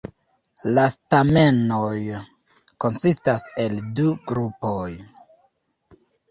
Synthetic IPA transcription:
lastame̞noj | ko̞nsistase̞lduɡɾupoj

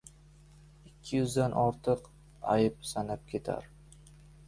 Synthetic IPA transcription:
ɪkʲʰːɪjʊzd̪anʔɒɾt̪ʰɨq | a̰jɪp̚sanap̚kʲʰe̞t̪ʰa̰ɾ

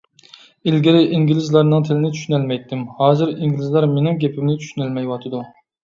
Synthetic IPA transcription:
ilɡʲɪlɪʔiŋɡʲlɪzlˠɑɾnɨŋt̪ʰɪlɪnɪt͡ʃ̪ʰy̥ʃynælmɛjt̪ːɪmhɑːzɨɾiŋɡʲilɪzlˠɑɾmenɪmɡʲepʰɪmnɪt͡ʃʰy̥ʃynælmɛjwɑt̪ʰɨd̪u

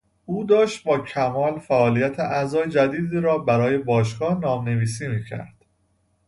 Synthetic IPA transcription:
uːd̪ɒːʃt̪̚bɒːcʰæmɒːlfæʔɒːlijæt̪ʰeʔæzɒːjed͡ʒæd̪iːd̪iːɾɒːbæɾɒːje̞bɒːʃ̬ɡɒːhnɒːmne̞viːsiːmiːcʰæ̰ɾd̪̥

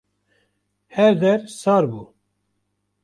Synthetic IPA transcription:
hɛɾd̪ɛɾsɑːɾbuː

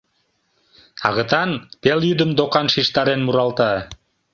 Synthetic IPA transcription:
ɑ̰ɣə̆t̪ɑnpeljyd̪əmd̪okɑnʃiʃt̪ɑɾenmuɾɑlt̪ɑ

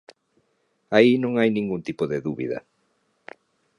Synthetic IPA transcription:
ainõŋajnĩŋɡũnt̪ipoðeðuβḭða̰

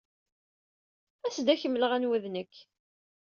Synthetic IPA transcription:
æsd̪æçəmːləʁænwæðnəkː

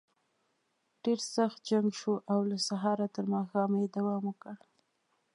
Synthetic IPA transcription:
ɖ̥eɾsaxt̪̚d͡ʒaŋɡʃoʔawlasaɦɑɾat̪əɾmɑxɑmjed̪awɑmokəɽ

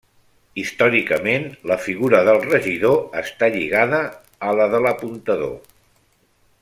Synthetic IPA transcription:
ist̪ɔɾikəmenləfiɣuɾəðəlˠrəʒiðoəst̪aʎiɣaðəː | ləðələpunt̪əðo̰

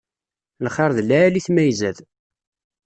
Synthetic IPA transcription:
lχɑɾˤðlæliθmæjzæð

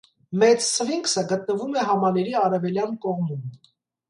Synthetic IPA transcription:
mɛt͡ssʰəviŋksəɡət̪nəvumɛɦɑmɑnɛɾiɑɾɛvɛljɑnkɔʁmum

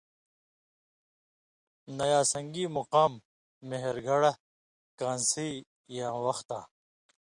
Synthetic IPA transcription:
nɐjaːsɐŋɡiːmuqaːmː | eɦeɾɡʱɐɽɐ | kãːnsiː | jaːwɐxt̪aː

